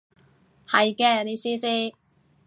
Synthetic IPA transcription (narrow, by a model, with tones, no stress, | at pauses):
hɐ˨jkɛː˧˩li˧˥siː˥siː˥